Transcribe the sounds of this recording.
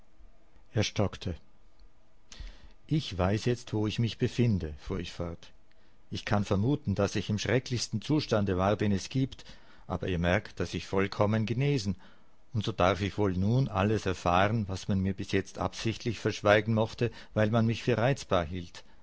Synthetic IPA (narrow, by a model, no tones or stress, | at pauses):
ʔeɐʃtɔktʰə | ʔɪçv̥aɪsjɛt͡stv̥oːɪçmɪçb̥əfɪndəfuːɐɪçfɔɐt | ʔɪçkʰanfɛɐmuːtn̩d̥asɪçɪmʃʁ̥ɛklɪçstn̩t͡suːʃtandəvaːɐdeːnɛsɡ̥iːpt | ʔa̰ːbɐɛːɐmɛɐktd̥asɪçfɔlkʰɔmənɡəneːzn̩ | ʊntz̥oːd̥aʁfɪçv̥oːlnuːnʔa̰ləsɛɐfaːʁənvasmanmiːɐbɪsjɛt͡stʔa̰psɪçtlɪçfɛɐʃv̥aɪɡŋ̩mɔχtə | vaɪlmanmɪçfyːɐʁaɪt͡sb̥aːɐhiːlt